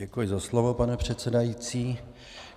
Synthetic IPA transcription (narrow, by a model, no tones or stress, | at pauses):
ɛkujɪzaslovo̞panɛpr̝̥ɛt̪t͡sɛdajit͡siː